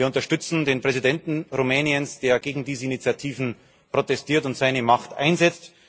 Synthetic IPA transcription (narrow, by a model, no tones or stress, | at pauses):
ɐʊntɐʃtʏt͡sn̩deːnpʁ̥ɛzidɛntn̩ʁumɛːniənsd̥eːɐɡeːɡŋ̩diːzəinit͡sjatʰiːvn̩ | pʁ̥otɛstʰiːɐtʊntz̥aɪnəmaχtʔa̰ɪnzɛt͡st